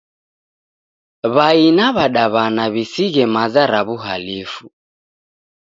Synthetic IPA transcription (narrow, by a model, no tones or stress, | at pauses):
βainaβaɗaβanaβisiɣɛmazaɾaβuɦalifu